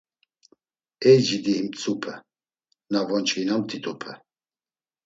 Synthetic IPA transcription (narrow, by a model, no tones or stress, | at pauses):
ɛjd͡ʒid̪ihimt͡sʼupʰə | navɔnt͡ʃʰʼinamt̪ʰʼit̪ʼupʰə